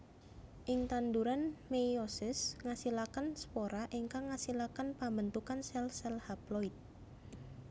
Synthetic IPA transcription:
ʔɪŋt̪and̪uɾanmejosɪsŋasilakanspoɾaʔiŋkaŋːasilakanpambənt̪ukansɛlsɛlhaploit̪̚

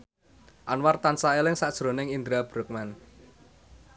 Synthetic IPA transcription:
ʔanwart̪ansaelɪŋsaʔd̥ʒ̥ɾo̤nɪŋind̪ɾab̥ɾʊk̚man

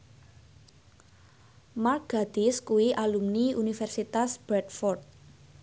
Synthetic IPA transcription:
marɡ̥a̤d̪̥iskuwiʔalumniunifɛrsit̪asb̥ɾɛt̪̚fɔrt̪̚

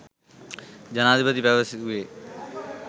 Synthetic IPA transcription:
d͡ʒənaːd̪ibəd̪ipəʋəsɪt̪ɦueː

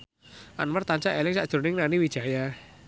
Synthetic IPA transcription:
ʔanmərt̪aɲt͡ʃaʔelɪŋsaʔd̥ʒ̥o̤nɪŋnaniwi̥ʒ̥a̤ja

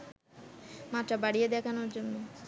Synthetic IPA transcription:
mat̪ɾabaɽijed̪ɛkʰanoɾd͡ʑonːo

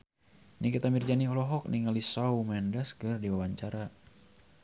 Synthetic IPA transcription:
nikit̪amird͡ʒaniɔlɔɦɔk̚niŋalisaumɛndaskɨrdiwawaɲt͡ʃaɾa

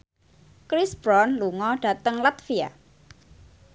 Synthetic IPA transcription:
kɾisb̥ɾɔnluŋɔɖ̥a̤t̪əŋlat̪fia̰

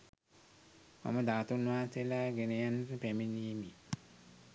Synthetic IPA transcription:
ma̰məd̪aːt̪unʋaːt̪elaɡenejanrəpæminiːmi

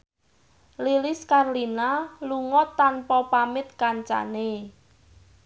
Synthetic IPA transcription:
lilɪskarlinaluŋɔt̪ːanpɔpamɪt̪̚kaɲt͡ʃa̰ne

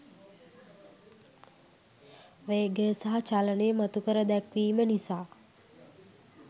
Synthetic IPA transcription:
ʋeːɡəsaɦat͡ʃaləneəmat̪ukəɾəd̪ɛkʋiːmənisaː

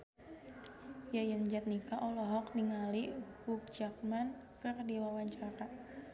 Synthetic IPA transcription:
jajənd͡ʒat̪̚nikaʔɔlɔɦɔk̚niŋalihuk̚d͡ʒak̚man | kərdilawaɲt͡ʃaɾa

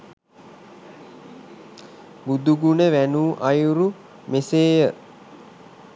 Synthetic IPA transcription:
bud̪uɡunəʋænuːʔɐjuɾu | meseːjə

